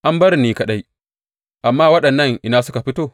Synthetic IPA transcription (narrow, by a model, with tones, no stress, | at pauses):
ʔa˦mbɐ˦ɾniː˦kɐ˨ɗa˦j | ʔa˨mːaː˦wɐ˦ɗɐ˨nːɐ˦ŋʔɪ˨naː˦sʊ˦ka˨ɸɪ˦toː˦